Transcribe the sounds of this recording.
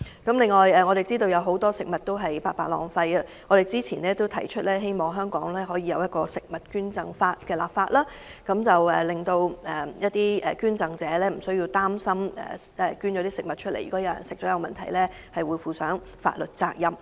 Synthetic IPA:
kɐ˨˥mlɪ˨ŋːɔː˨˩jɛː˨˧ŋɔː˨˧ɾe˨jt͡siː˥t̪o˧wjɐ˨˧wɦo˨˥wt̪ɔː˥sɪ˨k̚mɐ˨t̚t̪o˥wɦɐ˨jpaː˧k̚paː˧˩lɔ̰ː˨ŋfɐ˧jɐ˧ŋɔː˨˧ɾe˨jt͡siː˥t͡sʰiː˨˩nɛː˥t̪o˥wt̪ʰɐ˨˩jt͡ʃʰɵ˥t̚lɛː˥ɦe˥jmɔː˨˩ŋɦœː˥ŋkɔː˨˥ŋlɛː˥ɦɔː˨˥jiː˨˧jɐ˨˧wjɐ˥t̚kɔː˧sɪ˨k̚mɐ˨t̚kyː˥nt͡sɐ˨˧ŋfaː˧t̚kɛː˧la̰ː˨p̚faː˧t̚laː˥ | kɐ˨˥mt͡sɐ˨wɛ˨˩lɪ˨˩ŋt̪o˧wɛ˨jɐ˥t̚t̪iː˥ɛ̰ː˨kyː˥nt͡sɐ˨˧ŋt͡sɛː˨˥lɛː˥m̩˨˩sɵ˥ɥji˧wt̪aː˥msɐ˥mɛ̰ː˨ɛ˨kyː˥njɔː˨˧˥t̪iː˥sɪ˨k̚mɐ˨t̚t͡ʃʰɵ˥le˨˩jːkɔː˨˥jɐ˨˧wjɐ̰˨˩nsɪ˨k̚t͡ʃɔː˨˥jɐ˨˧wmɐ˨˩nt̪ʰɐ˨˩jlɛː˥ | hɐ˨jwuː˨˧jfuː˨˩sœː˨˥ŋ | fa̰ː˧t̚lɵ˨t̚t͡saː˧k̚jɐ˨˩m

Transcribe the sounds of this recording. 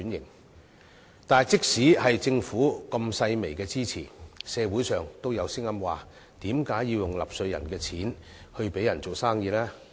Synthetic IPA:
njɪ˨˩ŋ | t̪aː˨jt͡sɪ˥k̚siː˨˥hɐ˨jt͡sɪ˧ŋfuː˨˥kɐ˧msɐ˧jme˨˩jkɛː˧t͡siː˥t͡sʰḭː˨˩sɛː˨˧wuː˨˥jsœː˨ŋt̪o˥wjɐ˨˧wsɪ˥ŋːɐ˥mwaː˨˩ | t̪iː˨˥mkaː˨˥jːiː˧wjʊ˨ŋlɐ̰˨p̚sɵ˧ɥjɐ̰˨˩nkɛː˧t͡sʰiː˨˥n | hɵ˧ɥpe˨˥jɐ˨˩nt͡so˨˩wsaː˥ŋjiː˧lɛː˥

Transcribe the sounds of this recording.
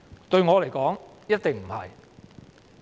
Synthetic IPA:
t̪ɵ˧ɥŋɔː˨˧le˨˩jkɔː˨˥ŋ | jɐ˥t̚t̪ɪ˨ŋm̩˨˩hɐ̰˨j

